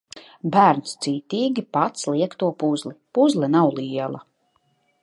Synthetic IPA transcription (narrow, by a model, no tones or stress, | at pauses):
bæːɾnst̪siːt̪iːɡʲipat̪sliɛkt̪uɔpuzlipuzlˠɛnawlˠiɛlˠa̰